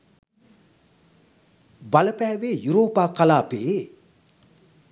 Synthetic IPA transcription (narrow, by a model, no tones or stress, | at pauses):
baləpɛːʋeːjuɾoːpaːkalaːpe